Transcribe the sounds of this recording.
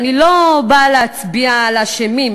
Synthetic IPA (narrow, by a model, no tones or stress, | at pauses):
nilobalet͡sbialaʃemim